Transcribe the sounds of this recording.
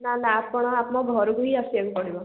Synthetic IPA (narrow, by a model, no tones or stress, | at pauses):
nanaːpɔɽ̃ɔapmɔɡʱɔɾuɡuɦiasiekupɔɽibɔ